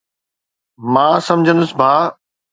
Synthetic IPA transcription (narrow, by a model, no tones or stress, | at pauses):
mãːsɐ̃md͡ʑʱə̃nd̪ʊsbʱaː